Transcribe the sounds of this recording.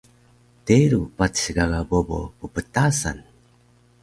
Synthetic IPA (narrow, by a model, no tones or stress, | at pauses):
teɾupatɕiɡaɡabobo̰pupətasa̰n